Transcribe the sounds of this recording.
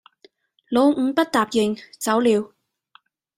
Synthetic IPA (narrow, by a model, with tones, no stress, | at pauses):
lo˨˧wŋ̩˨˧˥pɐ˥t̚t̪aː˨p̚jɪ˨ŋt͡sɐ˨˥wliː˨˧w